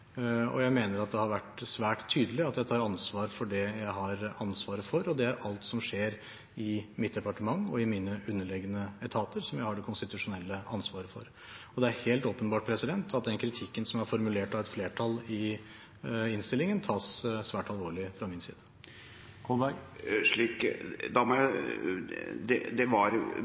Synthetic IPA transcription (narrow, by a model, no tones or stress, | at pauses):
ɔ̰jæɪmeːnəɾɑt̪̚d̪ɛhɑɾʋæʈsʋæːʈt̪ʰːyːd̪əlɪɑt̪jæɪt̪ʰɑːɾɑnsʋɑːɾfɔɖɛjæɪɦɑɾɑnsʋɑːɾəfɔɾɔd̪ɛæɾʔɑlt̪sɔmʂeːɾ | ɪmɪt̪̚d̪ɛpɑʈəmɑŋːɔɪmiːnəʔʉnːəɭɛɡːənəɛt̪ʰɑːt̪əɾsɔmjæɪhɑɖɛkʰʊnst̪ɪt̪ʉʂʊnɛlːəʔɑnsʋɑːɾəfɔ̰ɾ | ɔd̪ɛæɾheːlt̪oːpənbɑːʈ̚pʰɾɛsɪd̪ɛnt̪ʰɑt̪̚d̪ɛnkʰɾɪt̪ʰɪkːənsɔmæɾfɔɾmʉleːʈɑʋɛt̪fleːʈʰɑlɪ | ɪnst̪ɪlːɪŋənt̪ʰɑːssʋæːʈɑlʋoːɭɪfɾɑmɪnsḭːd̪ə̥ | ʂɭiːkd̪ɑmɔjæɪ | d̪ɛ̰d̪ɛʋɑɾ